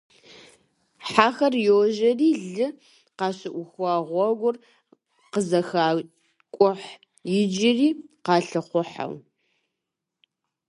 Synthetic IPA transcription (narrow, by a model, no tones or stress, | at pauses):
ħaːxɐrjwʒɐriːɮɨ | qɑːɕɪʔʷʊxʷɑːʁʷɔɡʷʊr | qəzɐxaː | kʷʼʊħ | jɪd͡ʒɪriːqɑːɬɨχʷʊħa̰w